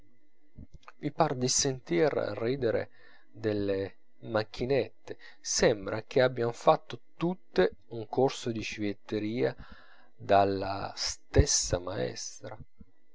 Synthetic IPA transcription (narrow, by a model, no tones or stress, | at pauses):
mipard̪isent̪irrːiːd̪eɾḛ | d̪elːe | mak̟ːinet̪ːe | sɛmbɾʔak̟eabːjanfat̪ːot̪ut̪ːe | uŋkorsod̪it͡ʃivjet̪ːeɾiːa | d̪alːast̪ɛsːamaɛ̰st̪ɾa